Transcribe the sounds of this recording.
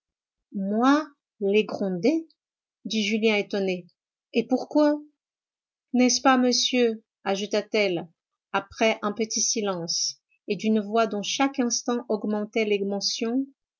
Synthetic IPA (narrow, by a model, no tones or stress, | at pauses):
mwa | leɡʁɔ̃d̪e | d̪iʒyljɛ̃et̪ɔne | epuʁkwa | nɛspaməsjø | aʒut̪at̪ɛl | apχɛʔɛ̃pət̪isilɑ̃s | ed̪ynvwad̪ɔ̃ʃakɛ̃st̪ɑ̃ʔɔɡmɑ̃t̪ɛlɛɡmɑ̃sjɔ̃